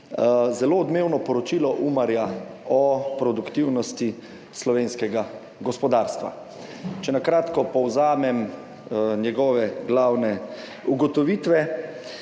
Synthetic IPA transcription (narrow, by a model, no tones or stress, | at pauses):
zɛloːd̪meːwnɔpɔɾɔt͡ʃilɔʔumaɾjaɔpɾɔd̪ukt̪iwnɔst̪i | slɔʋeːnskɛɡa | ɡɔspɔd̪aːɾst̪ʋa̰ | t͡ʃɛnakɾaːt̪kɔpɔwzaːmɛm | njɛɡɔːʋɛɡlaːwnɛ | uɡɔt̪ɔʋit̪ʋɛ